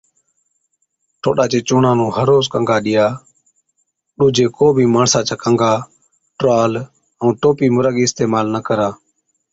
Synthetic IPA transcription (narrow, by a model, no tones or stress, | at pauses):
ʈʰoːɗaːt͡ʃeːt͡ʃʊːɳãːnũːhəɾoːskəŋɡaːɗɪjaː | ɗuːd͡ʒeːkoːbʱiːmaːɳsãːt͡ʃaːkəŋɡʱaː | ʈɾaːl | əũːt̪oːpiːmʊɾəɠiːɪst̪eːmaːlnəkəɾaː